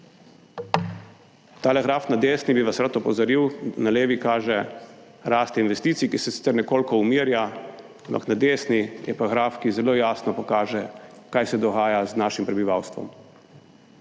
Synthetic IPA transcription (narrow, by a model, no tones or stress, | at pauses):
t̪alɛɣɾaːfnad̪eːsnibiʋasɾat̪ɔpɔzaɾiwnaleːʋikaːʒɛ | ɾaːst̪ɛinʋɛst̪iːt̪sikisɛsi̥t̪ɛɾnɛkoːlkɔumiːɾja | ampa̰knad̪eːsnijɛpaɣɾaːfkizɛloːjaːsnɔpɔkaːʒɛkajsɛd̪ɔɣaːjaznaːʃimpɾɛbiʋawst̪ʋɔ̰m